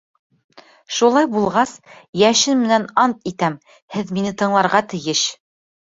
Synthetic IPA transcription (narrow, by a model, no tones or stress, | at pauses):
ʃulˠɑjbulˠʁɑsjæʃɘnmɘ̆nænɑnt̪it̪æm | hɘðminɘt̪ɤ̆ɴlˠɑɾʁɑt̪ɘ̆jɘʃ